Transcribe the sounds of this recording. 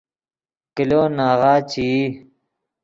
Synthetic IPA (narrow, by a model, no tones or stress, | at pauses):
kiloːnaːɣaːt͡ɕiː